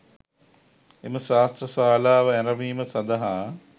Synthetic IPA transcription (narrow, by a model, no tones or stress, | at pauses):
eməʃaːst̪ɾəsaːlaːʋəæɾɐʋiːməsɐd̪ɐɦaː